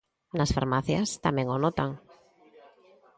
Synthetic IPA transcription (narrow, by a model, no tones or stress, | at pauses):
nasfa̰ɾmaθjast̪amɛ̃ŋonɔt̪aŋ